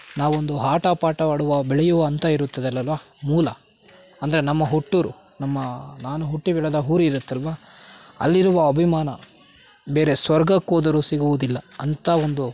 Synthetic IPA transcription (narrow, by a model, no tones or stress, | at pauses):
naːʋuond̪uɦaːʈapaːʈɐʋaːɽuʋɐbɛɭɛjuʋɐːnt̪ɐiɾut̪ːɐd̪ɐlːɐlʋaː | muːlɐ | ɐnd̪ɐɾe̞nɐmːɐɦuʈːuɾu | nɐmːɐnaːnuɦuʈːibɛɭɐd̪ɐɦuːɾiːɾut̪ːɐlʋaː | ɐ̰lːiɾuʋɐɐbʱimaːnɐ | be̞ːɾe̞sʋɐɾɡɐkːoːd̪ɐɾusiɡuʋud̪ilːɐɐnt̪ɐo̞nd̪u